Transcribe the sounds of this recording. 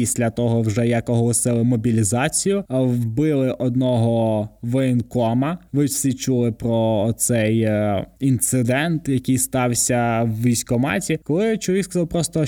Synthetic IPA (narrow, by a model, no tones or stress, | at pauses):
isʲlʲɐt̪ɔɦɔwʒɛjɐkɔɦɔlˠɔsɪlˠɪmɔbʲilʲizɑt͡sʲijʊwbɪlˠɪʔɔd̪nɔɦɔʋɛɛnkɔmɐʋɪsʲit͡ʃulˠɪpɾɔːt̪sɛjint̪sɪd̪ɛnt̪jɐkɪjst̪ɑwsʲɐwʋʲijsʲkɔmɑ̰tʲikɔlˠɪt͡ʃʊʋʲiskɐzɑlwˠpɾɔst̪ɔ